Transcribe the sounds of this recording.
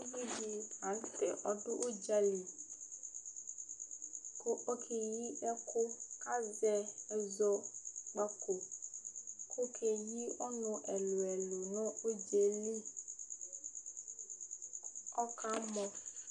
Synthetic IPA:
vi˦di˦a˨˦n˦tɛ˨ʔɔ˦dʊ˦ʔʊ˦d͡ʒa˦li˨ | kʊ˦ʔo˦kʰe˨ji˦ɛ˦kʰʊ˦ka˦zɛ˦ɛ˨zɔ˦k͡pa˦ko˨ | kʰʊ˦kʰe˨ji˦ʊ˦nʊ̃˦ʔɛ˨lʊ˨ɛ˨lo˨nʊ̃˦o˦d͡ʒe˨li˦ | ɔ˦ka˦mɔ̃˦

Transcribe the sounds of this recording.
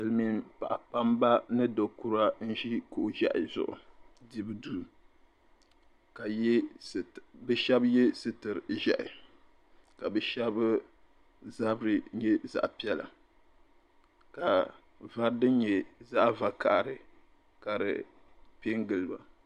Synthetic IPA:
ɨ˨lmi˦˨npa̰˨ʔa˨pa˦mba˦nɨ˦do˨ku˦ɾa˦n̩˦ʒi˦ko˨ʔʒa̰˦ʔɪ˨zʊ̰˨ʔʊ̰˨di˦bɨ˦du˨ | ka˨˦˨ | bɛ˨ʃɛ˦bjɛ˦sɨ˨tɨ˨ɾʒa̰˦ʔɪ˨ | ka˨bɛ˨ʃɛ˦b | za˦bɾɨ˦ɲɛ˦za̰˨ʔpi˦ɛ˦la̰˨ | ka˨ | va˦ɾdɨ˦ɲɛ˨za˦ʔva˨ka˨ʔɾɨ˨ | ka˨ɾɨ̰˨ | pe˦ŋɡɨ˨lɨ˨ba̰˨

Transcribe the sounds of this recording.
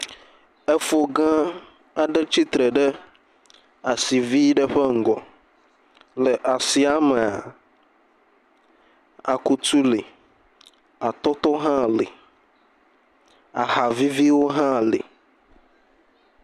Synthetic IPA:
ɛ˦fo˨ɡã˦ | a˨ɖɛ˦t͡ɕi˦t̪ɾɛ˨ɖɛ˦ | a˨si˨vi˦ɖɛ˦ɸɛ˦ŋ̩˨ɡɔ˨ | lɛ˨ʔa˨si˨a˦mɛ˨a˨ | a̰˨ku˦t̪u˦li˨ | a˨t̪ɔ˦t̪ɔ˦ɦã˦˨li˨ | a̰˨ha˨vi˦vi˦wo˦ɦã˦˨lḭ˨

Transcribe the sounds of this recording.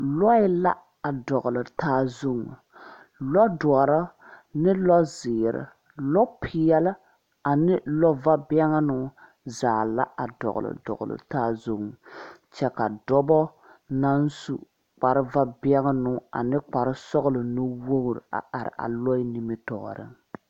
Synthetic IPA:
lɔ˦ɪ˦la˦ | a˨dɔ˨ɣlɨ˨taː˦zu˦ŋ˨ | lɔ˦dɔ˨ɔ˨ɾɔ˦ | nɪ˦lɔ˦zɪː˨ɾɪ̰˨ | lɔ˦pʰɪ˦jɛ˦lɪ˦ | a˨nɪ˦lɔ˦va˦bi˦ɛ˦ŋa˦nʊ˦ | zaː˨la̰˦a˨dɔ̰˨ɣʊ̰˨lɨ̰˨dɔ̰˨ɣʊ̰˨lɨ̰˨taː˦zu˦ŋ˨t͡ʃɛ˦ka˨dɔ˦bɔ˦ | na˦n˦su˦ | k͡pa˨ɾɪ˦va˦bi˦ɛ˦ŋa˦nʊ˦a̰˨nɪ˦k͡pa˨ɾɪ˦sɔ˦ɣlɨ˨no˦wo˦ɣɾ̰a̰˨ʔa˨ɾɪ̰˨ʔa̰˨lɔ˦ɪ˦ni˦mɨ˦tɔ̰ː˨ɾɨ̰˦ŋ

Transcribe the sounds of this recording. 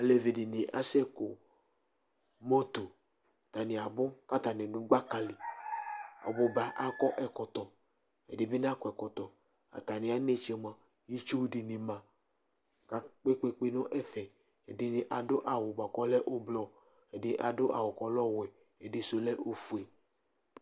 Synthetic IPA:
a˨le˨vi˨di˨nɪ˨ʔa̰˦sɛ˦kʊ˨ | mo˦t̪o˨ | t̪a˨nɪ˨a˨bʊ˦ka˦t̪a˨nɪ̃˨nʊ˦ɡ͡ba˦ka˨li˨ | a̰˨bʊ˨ba˨ʔa˦kɔ˦ʔɛ˨kɔ˨t̪ɔ˨ | ɛ˨dɪ˨bɪ˦n˦a˦kɔ˨ɛ˨kɔ˨t̪ɔ˨ | a̰˨t̪a˨nɪ˨a˨ne˦t͡ʃɛ˨mã˨ | ji˦t͡ʃu˦di˨ni˨mã˨ | ka˨k͡pe˦k͡pe˦k͡pe˦nɔ̃˦ʔɛ˦fɛ˨ | ɛ˨di˨nɪ˨ʔa˨dʊ˦ʔa˨wʊ˨ɡ͡ba˨kɔ˦lɛ˦ʔo˦blɔ˦ | ɛ˨dɪ˦ʔa˨dʊ˦ʔa˨wʊ˨kɔ˨lɔ˦wɛ˨ | ɛ˨di˨so˨lɛ˦ʔo˦fu˨ɛ˨

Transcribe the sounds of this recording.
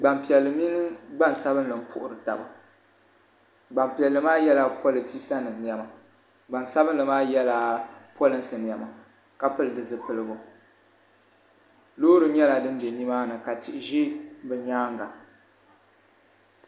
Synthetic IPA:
ɡ͡ba˨mpi˨ɛ˨lːɨ˨mi˦nɨ˦ɡ͡ba˦˨n˨sa˦bɨ˦n˦lɨ˨m̩˦pʰʊ̰˦ʔʊ˨ɾɨ˨ta̰˨ba̰˨ | ɡ͡ba˨mpi˨ɛ˨lːɨ˨˦maː˦jɛ˦la˦pʰɔ˦lɨ˨ti˦sa˦nɨ˨n˨ɛ˨ma˨ | ɡ͡ba˨nsa˦bɨ˦n˦lɨ˨maː˦jɛ˦la˦˨pɔ˦lɨ˦nsɨ˨n˨jɛ˨ma˨ | ka˦pɨ˦lɨ˨dɨ˨zɨ˨pɨ˨lɨ˦bʊ˨ | loː˦ɾɨ˨ɲɛ˦la˨dɨ˦n˦bɛ˨ɲi˦maː˦nɨ˨ka˨tɪ˨ʔɪ˨ʒi˦bɨ˨ɲaː˦ŋ˦ɡa˨

